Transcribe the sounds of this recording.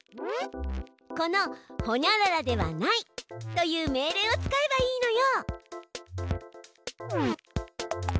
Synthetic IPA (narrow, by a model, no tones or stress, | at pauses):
ko̞no̞ho̞ɲʲaɾaɾad̪e̞βa̰nait̪o̞jɯːme̞ːɾe̞ːo̞t͡sɨ̥kae̞baiːno̞jo